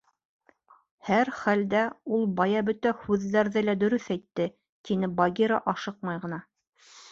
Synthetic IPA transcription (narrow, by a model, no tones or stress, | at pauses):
hæɾχæld̪æulˠbɑjɑbɵt̪æhʉðːæɾðɘlæd̪ɵ̆ɾɵθæjt̪ːɘ | t̪inɘbɑɡʲiɾɑʔɑʃɤq̚mɑjʁɤ̆nɑ